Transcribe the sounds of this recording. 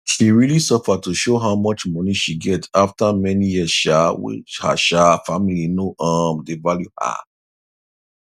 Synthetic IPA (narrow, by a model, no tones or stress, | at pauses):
ʃiɹilisɔfatuʃoɦaʊmʌt͡ʃmɔniʃiɡɛtʰaftamɛnijiəsʃawḭha̰ʃafamilinoʔamdevaljuhə̰